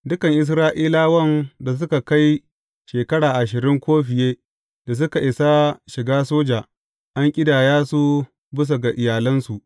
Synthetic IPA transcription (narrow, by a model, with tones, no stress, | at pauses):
dʊ˦kɐ˨ŋʔɪ˦s̬ɾaː˦ʔiː˦laː˦wɐ˦˨nda˨s̬ʊ˦ka˨ka˦j | ʃeː˨kɐ˦ɽaː˨ʔa˨ʃ̬ɪ˨ɾɪ˦ŋkʷoː˦ɸɪ˨jeː˦ | da˨s̬ʊ˦ka˨ʔɪ˨sa˦ʃɪ˨ɡaː˦soː˦d͡ʒaː˨ | ʔa˦ŋkʲʼɪ˦daː˨jaː˦su˦ | bɪ˦s̬o˨ɡa˨ʔɪ˨jaː˨lɐ˦nsu˨ʔ